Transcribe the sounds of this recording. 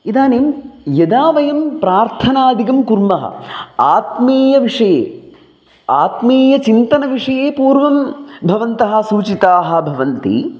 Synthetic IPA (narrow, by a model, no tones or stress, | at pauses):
id̪aːneːmjɐd̪aːʋɐjɐmpɾaːɾt̪ʰɐnaːd̪ʱiɡɐmkuɾmɐɦɐ̰aːt̪meːjɐʋiʂɐjḛː | aːt̪meːjɐt͡ʃint̪ɐnɐʋiʂɐjeːpuːɾʋɐmbʱɐʋɐnt̪ɐɦɐ̆suːt͡ʃit̪aːɦɐ̆bʱɐʋɐnt̪ḭ